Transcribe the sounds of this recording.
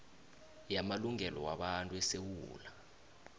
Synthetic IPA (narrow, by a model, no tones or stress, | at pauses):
jamaluŋʱɛlɔwaɓantʼuɛsewuːla